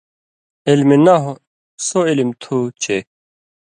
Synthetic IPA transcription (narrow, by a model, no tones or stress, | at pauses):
ilmenɐɦo | soilimt̪ʰut͡ɕʰe